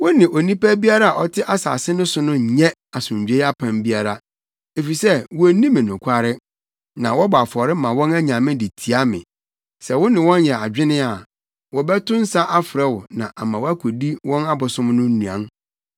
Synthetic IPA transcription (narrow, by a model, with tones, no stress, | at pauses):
wʊ˦nɪ̃˨ʔo˨nĩ˦pæ˦bi˦a˦ɾa˦a˨ʔɔ˦tʰɪ˦ʔa˦sa̰ː˨sɪ˦nʊ̃˦sʊ˦nʊ̃˦˨ɲɛ̃˦a˨sʊ̃˨ɲ˨d͡ʑᶣe˦a˦pʰã˨mbi˦a˦ɾa˦ | e˨fi˨sɛ˦wɔ˨æ˨nĩ˦mɪ̃˨nʊ̃˨kʷʰa˦ɾɪ˦ | nã˨wɔ˦bɔ˨a˨fɔ˨ɾɪ˦mã˨wɔ̃˦næ˦ɲã˨mɪ̃˦di˨tʰi˨a˦mɪ̰̃˨ | sɛ˨wʊ˦nɪ̃˨wɔ̃˦njɛ˨a˨d͡ʑᶣɪ˦nɪ̃˦a˨ | wɔ˨bɛ˦tʊ̃˦n̩˦sa˦ʔa˦fɾɛ˦wʊ˨nã˨ʔa˨mã˨wæ˦kʷʰo˨di˦wɔ̃˦na˦bʊ˨sʊ̃˦mnʊ̃˦nũ˨ã̰˨n